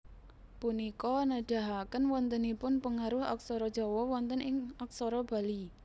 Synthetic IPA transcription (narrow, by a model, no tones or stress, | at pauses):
punikɔnəɖ̥a̤ɦakənwɔnt̪ənipʊnpəŋaɾʊha̰k̚sɔɾɔd̥ʒ̥ɔwɔwɔnt̪ənʔɪŋak̚sɔɾɔb̥a̤li